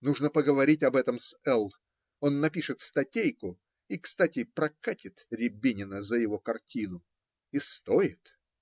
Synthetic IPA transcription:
nuʐnəpəɡəvɐɾʲitʲɐbɛt̪əmsɛlˠ | o̞nːɐpʲiʂɨt̪st̪ɐtʲejkʊ | ikst̪atʲɪpɾɐkatʲɪt̪ɾʲɪbʲinʲɪnəzəjɪvo̞kɐrtʲinʊ | ist̪oɪt̪

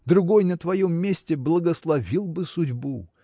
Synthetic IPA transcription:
d̪ɾʊɡo̞jnət̪vɐjomːʲesʲtʲɪblˠəɡəslˠɐvʲilˠbɨsʊdʲbu

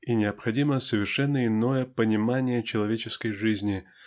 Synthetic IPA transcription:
inʲɪɐpxɐdʲiməsəvʲɪrʂɛnːəɪno̞jəpənʲɪmanʲɪjət͡ɕɪlˠɐvʲet͡ɕɪskəjʐɨzʲnʲɪ

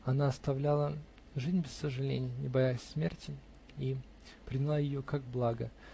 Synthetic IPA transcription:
ɐnaɐst̪ɐvlʲalˠə | ʐɨzʲnʲbʲɪsːəʐɨlʲḛnʲɪjənʲɪbɐjasʲsmʲertʲɪ | i | pɾʲɪnʲɪlˠajɪjokaɡ̚blˠaɡə̰

